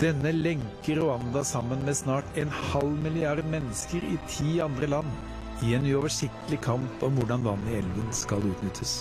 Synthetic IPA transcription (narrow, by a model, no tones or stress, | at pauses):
d̪̥ɛnːəlɛŋkəɾːʊɑnd̪ɑsɑmːənmeːsnɑːʈɛːnhɑlmɪlɪɑɾd̪mɛnːəskəɾɪ̰t̪ʰiːɑnd̪ɾəlɑnː | ɪɛnʉːɔʋəʂɪkt̪əlɪkʰɑmpɔmʋʊɖɑnʋɑnɪɛlʋənskɑlʉːt̪nʏt̪ʰːəs